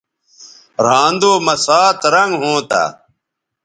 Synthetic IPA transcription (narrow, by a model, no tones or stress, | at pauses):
ɾãːnd̪oːmɐsaːt̪ɾɐŋɡɦõːt̪a̰ː